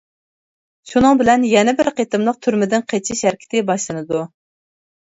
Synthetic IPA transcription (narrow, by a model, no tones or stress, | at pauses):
ʃunɨŋbɪlɛnjɛnɪbɪɾqʰet̪ɨmlˠəq̚t̪ʰyɾmɪd̪ɪnqʰet͡ʃʰiʃæɾkʲi̥t̪ʰɪbɑʃlˠɨnɨd̪u